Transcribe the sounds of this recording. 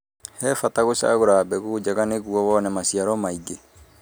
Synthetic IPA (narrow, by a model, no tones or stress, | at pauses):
hɛfataɣoʃa̰ɣoɾabɛɣod͡ʒaɣaneɣuɔwɔːnɛmasiaɾɔmaiɡe